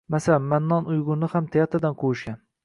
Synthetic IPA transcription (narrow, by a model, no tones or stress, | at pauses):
masalanmanːɒnʊjʁʊnːɪhamt̪ʰajat̪ad̪anqʰowʊʃɡʲan